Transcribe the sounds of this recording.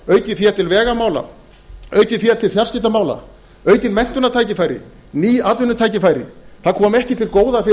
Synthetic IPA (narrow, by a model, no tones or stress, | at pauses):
œːɥcɪfiat̪ʰɪlvɛːɣamaːwla̰ | œːɥcɪfiat̪ʰɪlfjarscɪht̪amaːwla̰ | œːɥt̪ɪnmɛn̥t̪ʏnːat̪ʰaːjcɪfaːjɾɪ̰ | niːat̪lʏnːʏt̪ʰaːjcɪfaːjɾɪ̰θaðkʰɔːmɛhcɪt̪ʰɪlkoːwðafɪ